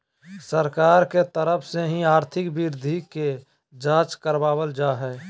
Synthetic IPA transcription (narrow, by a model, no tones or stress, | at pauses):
səɾkaːɾket̪əɾəpʰseɦĩaːɾt̪ʰɪkbɪɾd̪ʱike | d͡ʒaːt͡ʃkəɾbaːbəld͡ʒaɦɛː